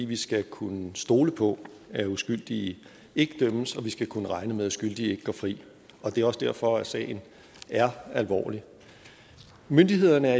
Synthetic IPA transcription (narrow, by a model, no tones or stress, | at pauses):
iʋisɡ̥ækʰunəsd̥o̝ːləpʰɒ̽ | æusɡ̥yl̰d̥i | e̝ɡ̥əd̥øməsɒ̽ʋisɡ̥ækʰunəʁɑ̈ɪnəmeðˠæsɡ̥yl̰d̥ie̝ɡ̥əɡ̥ɒ̰ːfʁḭː | ɒ̽d̥e̝ɐɒ̽sd̥æɐfɒ̽æsɛ̰ːɪn̩ | æɐælʋɒ̰ːli | mønd̥iɦe̝ð̞̰ˠɐnəæɐ